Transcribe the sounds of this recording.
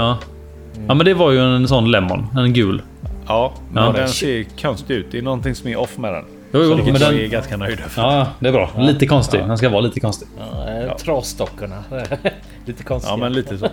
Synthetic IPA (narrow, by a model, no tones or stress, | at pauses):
ɑː | ɑːmɛnd̪ɛvaɾjɵɛnsɔnːlɛmːɔ̰nɛnɡʉ̟ːl | ɑː | mɑːd̪ɛnseːɾkʰœnst̪ɪʉ̟ːt̪̚d̪ɛnɔnːt̪ɪŋsɔmɛɾʔɔfːmɛd̪ɛ̰n | juːjuːmɛnd̪ɛnɛɡanskanœjd̪fɑːjɑd̪ɛbɾɑ̰ːliːt̪əkʰɔnst̪ɪd̪ɛns̬kavɑːliːt̪əkʰɔnst̪ɪɡ̰t̪ʰɾɑst̪ɔkːəɳa | liːt̪əkʰɔnsɑ̰ːmɛnliːt̪əs